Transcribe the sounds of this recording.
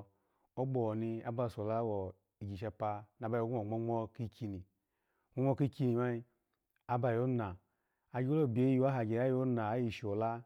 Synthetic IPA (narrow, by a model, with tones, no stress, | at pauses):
o˦ɡ͡bo˨ni˧a˦ba˧˨so˨la˦wo˨ | i˨ɡʲi˨ʃ̬a˧pa˧na˨ba˧jo˦ɡu˦o˨ŋ͡mo˦ŋ͡mo˧ki˧kʰʲi˧ni˨ | ŋ͡m̥o˦ŋ͡mo˦ki˦kʲi˧ni˨ma˦i˧ | a˦ba˧jo˦na˨ | a˨ɡʲi˦o˦lo˦˨bʲe˨˦ju˦a˦ɦa˨ɡʲe˨a˦jo˦na˨a˦ji˦˧˨ʃi˨o˨la˦